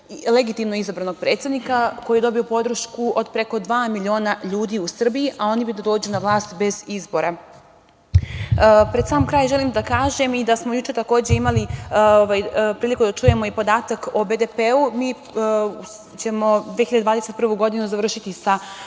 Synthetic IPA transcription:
le̞ɡit̪imnoɡizabɾano̞ɡ̚pɾe̞ːt̪sʲed̪nikako̞jijed̪o̞biopo̞d̪ɾ̩ʃkuʔo̞d̪pɾe̞ko̞d̪ʋaːmilʲio̞ːnaʎuːd̪iusr̩bijiʔao̞nibid̪ad̪o̞ːd͡ʑunaʋlˠaːst̪be̞zizboɾa | pɾe̞d̪saːmkɾaːjʒe̞limd̪akaːʒe̞mid̪asmo̞jut͡ʃe̞t̪ako̞ːd͡ʑe̞imalioʋajpɾiːlikud̪at͡ʃuːje̞mo̞ipo̞d̪aːt̪akobe̞d̪epeumiː | t͡ɕe̞mo̞d̪veːxiʎad̪d̪vaːd̪ese̞t̪̚pr̩ʋuɡo̞d̪inuzaʋr̩ʃit̪isa

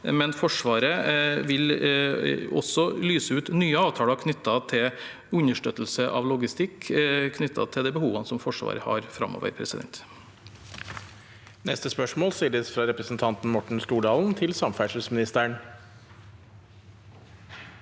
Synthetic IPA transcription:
mɛnfɔʂʋɑːɾəʋɪl | ɔ̰sɔlyːsəʉːt̪nyːəɑːʋt̪ʰɑːlɑkʰnʏt̪ːɑt̪ʰɪ | ʉɲəʂʈøːt̪l̩səʔɑ̰ʋlʊɡɪst̪ɪkʰːkʰnʏt̪ʰːɑ̰t̪ʰɪld̪ɛːbəhuːʋɑnəsɔmfɔʂʋɑ̰ːɾəhɑ̰ɾfɾɑ̰mo̰ːʋə̰ɾpʰɾɛsɪd̪ɛ̰nt̪ | nɛst̪əspœʂmoːlsiːɖ̪əsfɾɑɾɛpɾəsnt̪ʰɑnt̪n̩mɔʈɳ̩st̪uːɖɑːln̩t̪ʰɪlsɑmfæʂʉsmɪnɪst̪æɳ

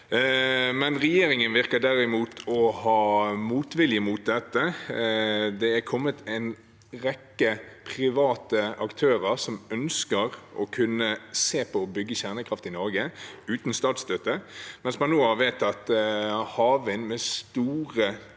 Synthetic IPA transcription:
mɛnʁɛjeːɾɪŋənʋɪʁkəd̪æɾɪmuːt̪ʰɔhɑːmuːt̪ʋɪljəmuːt̪̚d̪ɛt̪ːə | d̪ɛækʰɔmːət̪ʰɛɪn | ʁɛkːəpʰʁɪʋɑːt̪əʔɑkt̪ʰøːʁəʁsɔmœnskəɾɔkʰʉnːəseːpʰɔːbʏɡːəɕæʁnəkʰɾɑft̪ɪnɔɾɡəʉːt̪n̩st̪ɑːt̪st̪øt̪əmɛnsmɑnːoːɑʋeːt̪ɑt̪hɑːʋɪnmɛst̪uːʁə

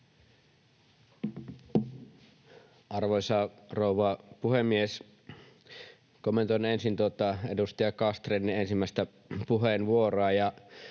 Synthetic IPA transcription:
ɑrʋoisɑrouʋɑpuhemːies | komːent̪onensint̪uot̪ɑedust̪ɑjɑkɑst̪renːiensimːæˑst̪æ | puɦeːnʋuoroɑjɑ

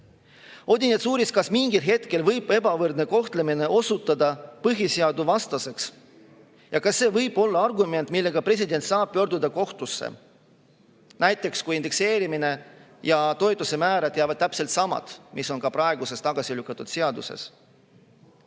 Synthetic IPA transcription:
o̞d̪ʲinet̪suːɾiskɑsmiŋɡilɦe̞t̪ke̞lvɤjb̥e̞bɑvɤrd̪̚ne̞ko̞ht̪le̞mine̞ʔo̞sut̪ːˑɑd̪ɑpɤɦiseɑd̪uvɑst̪ɑse̞ks | jɑkɑsːe̞ːvɤjb̥o̞lːɑɑrɡume̞nt̪ˑmilːe̞ɡ̥ɑpre̞s̬ʲid̪e̞nt̪sɑːb̥̚pø̞rd̪ud̪ɑko̞ht̪usːḛ | næjt̪ːˑe̞kskujind̪ekse̞ːɾimine̞ | jɑt̪o̞jt̪ːˑuse̞mæːɾɑd̪̥jæːvɑd̪̚t̪æpse̞lt̪sɑmɑ̰d̪̥mʔisːo̞nkɑpɾɑeɡuse̞st̪ɑɡ̥ɑsilykːˑɑt̪ːˑud̪̥se̞ɑd̪use̞̰s

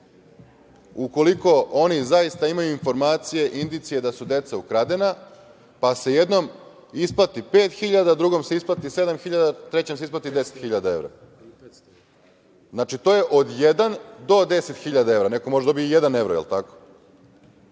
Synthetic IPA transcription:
uko̞liko̞onizajist̪aimajuinfo̞ɾmaːt̪sije̞ʔind̪it̪sije̞d̪asud̪e̞t̪saukɾad̪e̞na | pasejed̪no̞m | isplat̪ipe̞ːt̪xiʎad̪ad̪ɾuɡo̞mse̞isplˠat̪ise̞d̪amxiʎad̪at̪ɾe̞t͡ɕemseisplˠat̪id̪e̞set̪xiʎad̪ae̞ʋɾa̰ | znaːt͡ʃit̪o̞je̞ʔo̞d̪jed̪and̪o̞d̪e̞se̞t̪xiʎad̪ae̞ʋɾanekomo̞ʒed̪o̞bijijed̪ane̞ʋɾojḛlt̪ako̥

